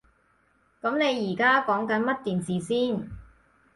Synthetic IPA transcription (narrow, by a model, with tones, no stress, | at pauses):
kɐ˨˥mne˨˧jːiː˨˩kaː˥kɔː˨˥ŋkɐ˨˥nmɐ˥t̚t̪iː˨nsiː˨˩siː˥˩n